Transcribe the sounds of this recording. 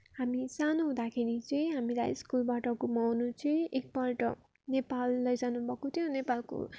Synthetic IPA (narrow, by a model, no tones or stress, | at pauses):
hamisanoɦũd̪akʰeɾit͡sʌĩɦamila̰jskulbaʈʌkomʌwnut͡sʰʌĩʔek̚baʈʌ̰ | nepalːʌjd͡zanubʱʌkot̪ʰjõnepalko̰